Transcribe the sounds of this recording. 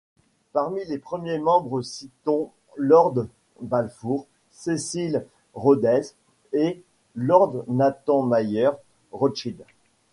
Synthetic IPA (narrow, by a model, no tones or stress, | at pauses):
paʁmilepχəmjemɑ̃bʁəsit̪ɔ̃ | lɔʁd̪ | balfuʁ | sesil | ʁod̪ɛz | e | lɔʁd̪nat̪ɑ̃majœʁ | ʁɔt͡ʃid̪